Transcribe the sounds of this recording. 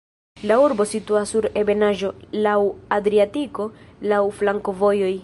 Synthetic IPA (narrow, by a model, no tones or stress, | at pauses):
lauɾbo̞situasːuɾe̞be̞naʒo̞lawadɾiatiko̞lawflaŋko̞vo̞joj